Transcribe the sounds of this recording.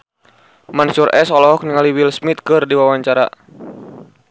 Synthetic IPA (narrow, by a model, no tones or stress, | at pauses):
mansuɾʔɛsɔlɔɦɔk̚niŋaliwilsmit̪̚kɨrdiwawaɲt͡ʃaɾa̰